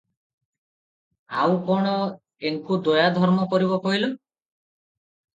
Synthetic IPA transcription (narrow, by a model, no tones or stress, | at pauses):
a̰wkɔɽ̃ɔ | eŋkud̪ojad̪ʱɔɾmɔkɔɾiβɔkɔɦilu